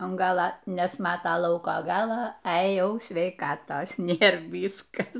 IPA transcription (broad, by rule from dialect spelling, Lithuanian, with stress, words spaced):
ɐn ˈɡɑːlˠɐ nʲɛsˈmɑːtɐ ˈlˠɐʊkoː ˈɡɑːlˠɐ ɛ ˈjɛʊ sʲʋʲɛɪˈkɑːtoːs ˈnʲeːr ˈʋʲiːskɐs